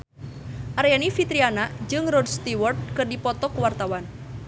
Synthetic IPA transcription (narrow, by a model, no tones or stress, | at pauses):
ʔaɾjanifit̪ɾianad͡ʒɨŋrɔdst̪iwɔrt̪̚kɨrdipɔt̪ɔkuwart̪awan